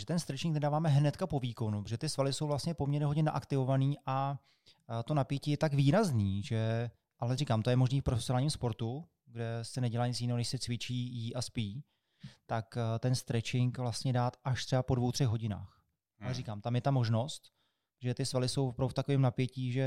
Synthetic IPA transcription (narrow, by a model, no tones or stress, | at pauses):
ʒɛt̪ɛnst̪ɾɛt͡ʃɪŋknɛdaːvaːmɛɦnɛt̪kapo̞viːko̞nupo̥ʒɛt̪ɪsvalɪsowvlast̪ɲɛpomɲɛɾɲɛɦoɟɲɛna̰ʔakt̪ɪvo̞vaniːʔa | t̪o̞napjɛciːjɛt̪aɡviːɾazniːʒɛ | ʔalɛriːkaːmt̪ojɛmo̞ʒniːfpɾofɛsjonaːlɲiːmspo̞ɾt̪u | ɡdɛsɛnɛɟɛlaːɲɪt͡sjɪnɛːɦonɛʃsɛt͡svɪt͡ʃiːjiʔaspiː | t̪akt̪ɛnst̪ɾɛt͡ʃɪŋkvlast̪ɲɛdaːt̪aʃt̪r̥ɛbapo̞dvowt̪r̝̥ɛɣɦo̞ɟɪna̰ːx | ʔaɛɾikaːmt̪amjɛt̪amo̞ʒno̞st̪ | ʒɛt̪ɪsvalɪso̞wpɾowft̪akovɛːmnapjɛciːʒɛ